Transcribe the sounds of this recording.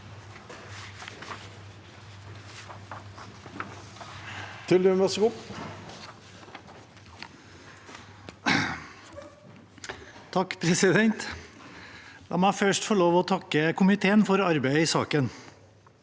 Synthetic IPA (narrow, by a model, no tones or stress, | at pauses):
t̪ʰɪld̪ʉmʋɑsɡʊ | t̪ʰɑkpʰɾɛsɪd̪ɛnt̪ | lɑ̰ːmæɪfœʂʈfɔɭoːʋɔːt̪ʰɑkəkʰʊmɪt̪ʰeːənfɔɾɑɾbæɪəiːsɑːkən